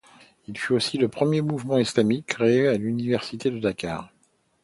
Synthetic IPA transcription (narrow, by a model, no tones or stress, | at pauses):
ilfyosiləpχəmjemuvmɑ̃islamikːχeealynivɛʁsit̪ed̪əd̪aka̰ːʁ